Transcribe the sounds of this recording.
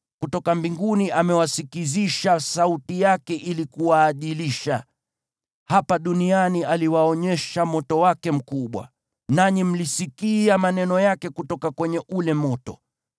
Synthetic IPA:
kutɔkambiŋɡuniʔamɛwasikiziʃasautijakɛʔilikuwaːɗiliʃa | hapaɗunianialiwaɔɲɛʃamɔtɔwakɛm̩kuɓwa̰ | naɲim̩lisikiamanɛnɔjakɛkutɔkakwɛɲɛʔulɛmɔtɔ

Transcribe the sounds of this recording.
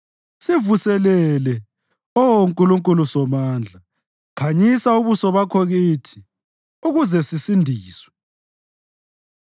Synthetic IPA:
sivusɛlɛlɛ | ɔwoŋkʼuluŋkʼulusɔmaːnd͡ɮʱa | kʰaɲisauβusɔβakʰoɣiːtʰi̥ | uɣuzɛsisindʱiːswɛ̥

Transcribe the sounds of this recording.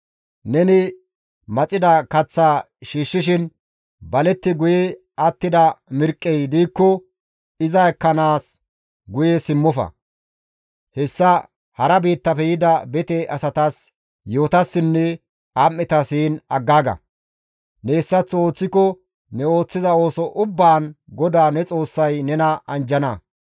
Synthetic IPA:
nɛnɪ | mɐt͡sʼɪd̪ɐkɐt͡sːaː | ʃiːʃːɪʃ̬ɪn | bɐlɛt̪ːɪɡʊjɛ | ɐt̪ːɪd̪ɐmɪɾkʼːɛjd̪iːkːɔ | ɪzɐɛkːɐnaːs | ɡʊjɛsɪmːɔfɐ̰ | hɛsːɐ | hɐɾɐbiːt̪ːɐfɛjɪd̪ɐbɛt̪ɛɐsɐt̪as | jo̞ːt̪ɐsːɪnːɛ | amːɪt̪ɐsiːnɐɡːaːɡɐ̰ | nɛːsːɐt͡sːo̞ːt͡sːɪkɔ | nɛo̞ːt͡sːɪzɐo̞ːsɔʔʊbːaːnɡɔd̪aːnɛt͡sʼo̞ːsːɐjnɛnɐɐnd͡ʒɐnɐ

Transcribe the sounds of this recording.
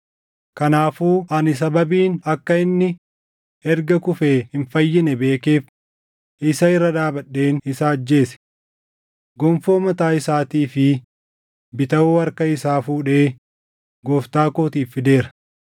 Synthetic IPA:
kɐnaːfuːʔɐnɪs̬ɐbɐbiːnɐkːɐɪnːɪ | ɛɾɡɐkʊfɛhɪnfɐjːɪnɛbe̞ːkeːf | ʔɪsɐɪrːɐd̪aːbɐɗːe̞ːnɪsaːɐd͡ʒːe̞ːsɛ̥ | ɡɔmfo̞ːmɐt̪aːɪsaːt̪iːfɪ | bɪt̪ɐwoːɐɾkɐɪsaːfuːᶑeː | ɡoːft̪aːkoːt̪iːfːɪd̪e̞ːɾɐ̥

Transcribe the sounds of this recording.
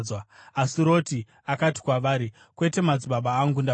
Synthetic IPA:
waasiɾo̞ti | akati̥kwaʋaːɾi | kwe̞te̞mad͡ziɓaɓaːŋɡunda

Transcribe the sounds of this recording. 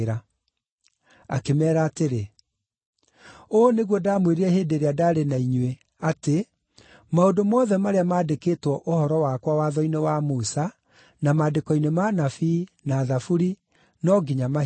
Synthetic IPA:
ɾa | a̰kemɛːɾaːteɾe | oneɣwɔdamweɾiɛheːdeɾeadaːɾenaiɲwe | ate | maodomɔðɛmaɾeamaːdeketwɔʔohɔɾɔwakwawaðɔinewamusa | namadekɔinemanafinaːðafuɾi | nɔɡiɲama

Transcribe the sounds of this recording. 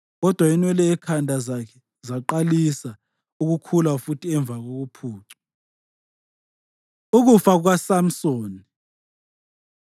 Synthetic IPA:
ɣɔd̥ʱwainwɛlɛɛkʰandʱazakʰɛ̥ | zaǃalisa | uɣukʰulafutʰiɛɱb̪vʱaɣoɣupʰuːǀḁ | uɣufaɣ̬wasam̩soːni

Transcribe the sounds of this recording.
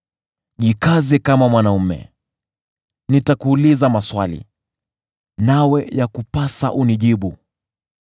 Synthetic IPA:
ʄikazɛkamamwanaumɛ̰ | nitakuːlizamaswalḭ | nawɛjakupasa̰ʔuniʄiɓu

